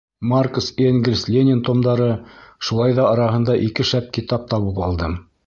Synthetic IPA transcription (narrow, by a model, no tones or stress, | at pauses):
markoseŋɡʲɪlʲslʲenʲɪnt̪omd̪ɑɾɤʃulˠɑjðɑɑɾɑɦɤ̆nd̪ɑʔikɘʃæp̚kit̪ɑp̚t̪ɑβɤpɑ̰lˠd̪ɤm